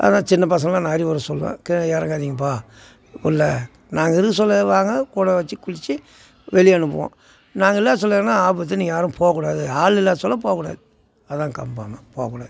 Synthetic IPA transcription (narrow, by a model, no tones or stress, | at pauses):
ɐ̰nãːt͡ʃɪnːɐpɐs̬ɐ̃ŋɡɐlãːnaːɾiʋɐɾɐsɔlːʋḛ̃ːkɛnjaːɾɐŋɡaːðiŋɡɐp̬aː | ɪlːɐ | naːŋɡɐɪɾɯɯsɔlːɐʋaːŋɡɐkuːɽɐʋɐt͡ʃːɯkʊɻɪt͡ʃːɯ | ʋɛlɪjɐnːɯp̬ːo̰ʋõ̰ː | naːŋɡɐɪlːaːsɔlːeːnaːaːbɯɐt̪ːɯniːŋɡɐjaːɾɯmpʰoːɐkːʊɽaːðɯaːɭɪlːaːsɔlːɐp̬oːkːʊɽa̰ːðɯ | ɐðãːŋkɐmbaːmɐpoːkːuɽaːð